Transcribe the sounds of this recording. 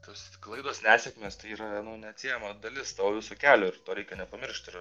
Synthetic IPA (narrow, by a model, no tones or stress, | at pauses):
t̪oːsklˠɐɪd̪oːsnʲæːsʲɛkmʲeːst̪ɐɪiːɾɐɐnoːnʲɛɐt̪ʲsʲijɛmɐd̪ɐlʲɪst̪ɐʋoːʋʲɪsuːkʲæːlʲoːɪɾt̪oːɾʲɛɪkʲɛnʲɛpɐmʲɪɾʃʲt̪ʲɪɾ